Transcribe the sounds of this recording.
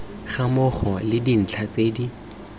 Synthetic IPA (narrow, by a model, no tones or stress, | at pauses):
χamʊχɔlɪdin̩t͡ɬʰat͡seːdi